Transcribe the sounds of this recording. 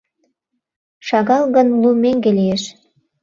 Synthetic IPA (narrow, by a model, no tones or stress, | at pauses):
ʃɑɣɑlˠɣɤ̆nlumeŋɡelijeʃ